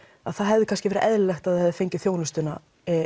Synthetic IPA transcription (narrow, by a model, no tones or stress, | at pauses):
a̰ðθaðɦɛvðɪkʰanscɪvɛːɾɪʔɛðllɛxt̪aðɛvðɪfejɲcɪ̥θjoːwnʏst̪ʏna